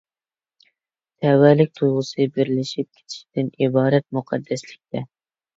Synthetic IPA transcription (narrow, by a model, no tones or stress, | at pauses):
t̪ʰɛwɛlɪk̚ʲt̪ʰujʁʊsɨbɪɾlɪʃip̚kʲʰe̥t̪ʰɪ̥ʃi̥d̪ɪnibɑːɾɛt̪̚muqʰɑd̪ːɛslɪk̚ʲt̪ʰɛ